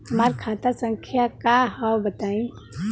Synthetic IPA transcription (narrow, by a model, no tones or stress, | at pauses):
əmaɾkʰat̪asəŋkʰjakaɦəwbət̪aĩ